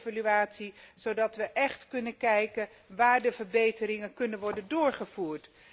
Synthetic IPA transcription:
valyaːtsiz̥odɑtʋəʔɛχtkɵnənkɛjkən | ʋaːɹdəvəɹbejtəɾɪŋənkɵnənʋɔɹdəndʊːɹχəvuːɹt

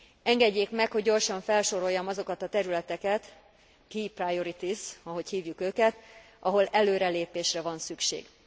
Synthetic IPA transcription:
ɛŋɡɛɟːeːkmɛkho̞ɟːo̞rʃɒɱfɛlʃo̞ɾo̞jːɒmɒzo̞kɒt̪ɒt̪ɛɾylɛt̪ɛkɛt̪ | kiːprajo̞ɾit̪isɒɦo̞chiːvjukøːkɛt̪ | ʔɒɦo̞lɛløːɾɛleːpeːʃrɛvɒnsykʃḛːɡ

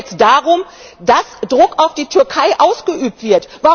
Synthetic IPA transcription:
t͡sd̥aːʁʊm | d̥asd̥ʁʊkaʊfd̥iːtʰʏɐkʰaɪʔaʊsɡ̥əʔyːp̚tv̥ɪɐtvaː

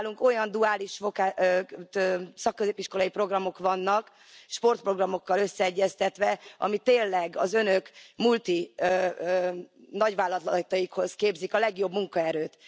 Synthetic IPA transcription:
luŋko̞jɒnd̪uaːliʃfo̞kaː | sɒkːøzeːpiʃkolɒipro̞ɡrɒmo̞kʋɒnːɒk | ʃpo̞rt̪̚pro̞ɡrɒmo̞kːɒløsːɛɛɟːɛst̪ɛt̪ʋɛɒ̰mit̪eːnlɛɡɒzø̞nø̞kmult̪i | nɒɟʋaːlːɒt̪lt̪ɒjikho̞skeːbzikɒlɛɡjo̞bmuŋkɒɛɾøːt̪

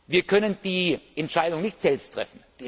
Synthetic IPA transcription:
viːɐkʰœnənd̥iːʔɛntʃaɪdʊŋnɪçtz̥ɛlpstʰʁ̥ɛ̰fn̩

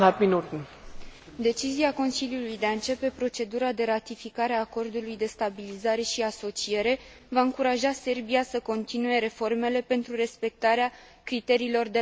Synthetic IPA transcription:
at̪minut̪ | d̪e̞t͡ʃiziako̞nsiljulujd̪eaɨnt͡ʃe̞pe̞pɾo̞t͡ʃe̞d̪uɾad̪e̞ɾat̪ifikaɾeaːko̞rd̪ulujd̪e̞st̪abilizaɾe̞ʃiaso̞t͡ʃie̞ɾe̞ | vaɨŋkuɾaʒase̞rbiasəko̞nt̪inuje̞ɾe̞fo̞rme̞le̞pe̞nt̪ɾure̞spe̞k̚t̪aɾea | kɾit̪e̞ɾiːlo̞rd̪e

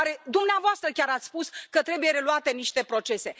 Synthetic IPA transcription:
ɾe̞d̪umneavoast̪ɾəkʲaɾat̪sʲspuskət̪ɾe̞buje̞ɾe̞luat̪e̞niʃt̪e̞pɾo̞t͡ʃe̞se̞

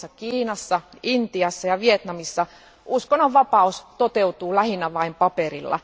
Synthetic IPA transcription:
ɑkiːnɑsːɑint̪iɑsːɑjɑʋiet̪nɑmisːɑ | uskonːoʋʋɑpɑust̪ot̪eut̪uːlæhinæʋɑimpɑperilːɑ̰

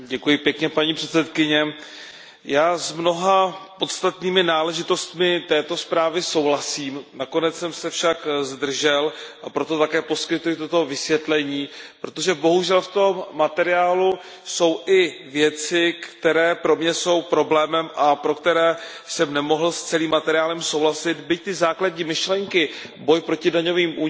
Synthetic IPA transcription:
ɟɛkujɪpjɛkɲɛpaɲiːpr̥ɛt̪t͡sɛt̪kɪɲɛ | jaːzmno̞ɦapo̞t̪st̪at̪niːmɪnaːlɛʒɪt̪o̞st̪mɪt̪ɛːt̪o̞spɾaːvɪso̞wɦlasiːmnako̞nɛtt͡ssɛmsɛfʃakzd̪r̩ʒɛlʔapɾo̞t̪o̞t̪akɛːpo̞skɪt̪ujɪt̪o̞t̪o̞vɪsvjɛt̪lɛɲiːpɾo̞t̪o̞ʒɛbo̞ɦuʒɛlft̪o̞mːat̪ɛɾɪaːlu | so̞wʔɪvjɛt͡sɪkt̪ɛɾɛːpɾo̞mɲɛso̞wpɾo̞blɛːmɛmʔapɾo̞kt̪ɛɾɛː | sɛmnɛmo̞ɦl̩st͡sɛliːmːat̪ɛɾɪjaːlɛmso̞wɦlasɪt̪bɪc̚t̪ɪzaːklaɟɲiːmɪʃlɛŋkɪ | bo̞jpɾo̞cɪdaɲo̞viːmʔu

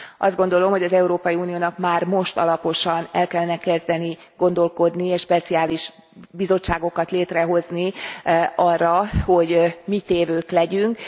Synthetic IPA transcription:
ɒ̰zd̪ɡo̞nd̪o̞lo̞mho̞ɟɒzɛuɾoːpɒjiuːnijoːnɒkmaːrmo̞ʃt̪ɒ̰lɒpo̞ʃɒnɛlkɛlːɛnɛkɛzd̪ɛni | ɡo̞nd̪o̞lko̞d̪nieːʃpɛt̪siaːliʃ | bizo̞t͡ʃːaːɡo̞kɒt̪leːt̪rɛɦo̞zni | ɒrːɒho̞ɟmit̪eːvøːklɛɟyŋk

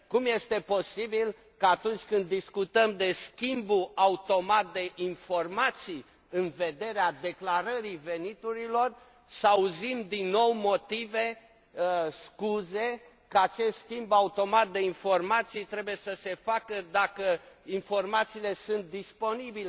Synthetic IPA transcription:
kumje̞st̪e̞po̞sibil | kaat̪unt͡ʃʲkɨnd̪ːiskut̪əmd̪e̞skʲimbuaut̪o̞mat̪̚d̪e̞ʔinfo̞rmat̪sij | ɨnve̞d̪e̞ɾead̪e̞klaɾəɾive̞nit̪uɾilo̞r | səauzimd̪inːo̞wmo̞t̪ive̞ | skuze̞ | kəat͡ʃe̞st̪skʲimbaut̪o̞mat̪̚d̪e̞info̞rmat̪sijt̪ɾebuje̞səse̞fakəd̪akəinfo̞rmat̪siːle̞sunt̪̚d̪ispo̞nibile

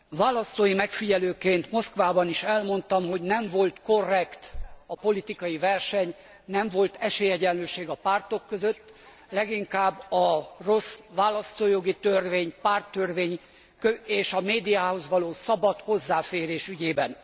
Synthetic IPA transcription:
vaːlɒst̪oːjimɛkfiɟɛløːkeːnt̪mo̞skʋaːbɒniʃɛlmo̞nt̪ɒmɦo̞ɟnɛɱvo̞lt̪ko̞rːɛkt̪ɒpo̞lit̪ikɒjivɛrʃɛɲ | nɛɱvo̞lt̪ɛʃeːjɛɟɛnløːʃeːɡɒpaːrt̪o̞kːøzøt̪ː | lɛɡiŋkaːbːɒro̞sʋaːlɒst̪oːjo̞ɡit̪ørveːɲpaːrt̪ːørveːɲ | køeːʃɒmeːd̪ijaːho̞zʋɒloːsɒbɒt̪ho̞zːaːfeːɾeːʃyɟeːbɛn

